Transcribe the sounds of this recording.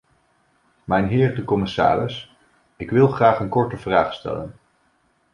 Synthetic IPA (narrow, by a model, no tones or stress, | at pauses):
mɛjnɦɪːrdəkɔmɪsa̰ːrɪs | ɪkʋɪlˠχraːχənkɔɹtəvraːχstɛ̰lə̰n